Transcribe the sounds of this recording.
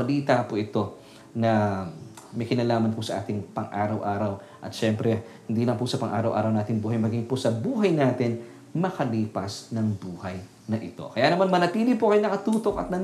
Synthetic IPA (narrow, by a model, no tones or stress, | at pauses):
ɐliːt̪apoʔɪt̪o̞ | nɐ | mɐjkɪnɐlaːmɐnpʊsɐʔa̰ːt̪ɪŋpɐŋʔaːɾɐwʔaːɾɐw | ʔɐt̪ʃɛmpɾɛhɪnd̪iːlɐŋpʊsɐpɐŋʔa̰ːɾɐwʔa̰ːɾɐwnaːt̪ɪŋbuːhɐjmɐɡiŋposɐbuːɦɐjnaːt̪ɪn | mɐkɐliːpɐsnɐŋbuːhɐj | nɐʔɪt̪o̞̰kɐjaːnɐmanmɐnɐt̪iːlɪpokɐjonɐkɐt̪uːt̪o̞kɐ̰t̪̚nɐ